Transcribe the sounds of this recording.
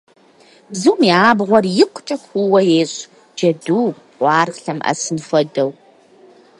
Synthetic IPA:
bzɨwmiːaːbʁʷɔrjɪqʷt͡ʃʼɐxʷuwɐjeːɕʼ | d͡ʒɐduː | qʷɑːrɬɐmʔɐ̰sɨnfɔdɐw

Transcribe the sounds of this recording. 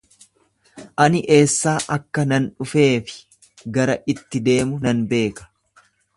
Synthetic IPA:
ʔɐnɪʔe̞ːsːaːʔɐkːɐnɐnᶑʊfe̞ːfɪ̥ | ɡɐɾɐʔɪt̪ːɪd̪e̞ːmʊnɐnbe̞ːkɐ̥

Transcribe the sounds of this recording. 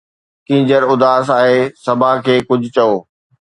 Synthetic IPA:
kĩːɲd͡ʑəɾʊd̪aːs̬aːɦeːsɐbʱaːkʰeːkʊd͡ʑʱʊt͡ɕɐoː

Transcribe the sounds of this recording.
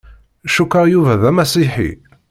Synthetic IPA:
ʃukːəʁjuvæðæmæsiħḭ

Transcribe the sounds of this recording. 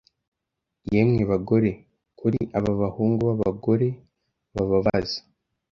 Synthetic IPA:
jemŋiβaɡo̞ɾe̞ | kuɾiʔaβaβahuːŋɡuβaβa̰ɡo̞ɾe̞ | βaβaβazi̥

